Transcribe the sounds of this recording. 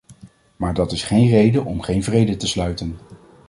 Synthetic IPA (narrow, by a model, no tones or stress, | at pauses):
maːɹdɑtɪsχejnrejdəʔɔmχejnvrejdətəslœɥtən